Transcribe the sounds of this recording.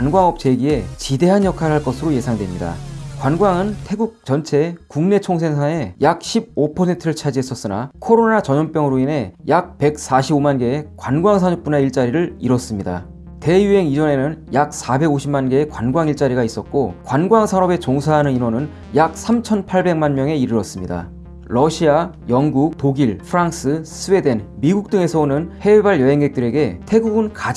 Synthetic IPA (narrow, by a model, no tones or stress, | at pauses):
anɡwaŋʌp̚t͡ɕe̞ɡie̞t͡ɕide̞ɦanjʌkʰaɾɭɦaɭk͈ʌsʰɯɾoje̞sʰaŋdwe̞mɲida̰kwanɡwaŋɯntʰe̞ɡuk̚t͡ɕʌnt͡ɕʰe̞kuŋne̞t͡ɕʰoŋs̬ʰe̞ŋsʰae̞jak̚ɕʰib̚opʰʌsʰe̞ntʰɯɾɯɭt͡ɕʰad͡ʑiɦe̞s͈ʌs͈ɯna̰kʰoɾonat͡ɕʌɲʌnp͈jʌŋɯɾoine̞jak̚pe̞k̚s͈aɕʰibomanɡe̞ːkwanɡwaŋsʰaɲup͈uneiɭt͡ɕ͈aɾiɾɯɭiɾwʌs͈ɯmɲida̰ | te̞jue̞ŋid͡ʑʌne̞nɯnjak̚sʰabe̞ɡoɕʰimanɡe̞ekwanɡwaŋiɭt͡ɕ͈aɾiɡais͈ʌt̚k͈okwanɡwaŋsʰanʌbe̞t͡ɕoŋsʰaɦanɯninwʌnɯn | jak̚s͈ʰamt͡ɕʰʌnpʰaɭbe̞ŋmanmjʌŋe̞iɾɯɾʌs͈ɯmɲida̰ | ɾʌɕʰia | jʌŋɡuk̚toɡiɭpʰɯɾaŋs͈ɯsʰɯwe̞de̞nmiɡuk̚t͈ɯŋe̞sʰʌonɯnhe̞baɭjʌɦe̞ŋɡe̞k̚t͈ɯɾe̞ɡe̞tʰe̞ɡuɡɯnkad͡ʑ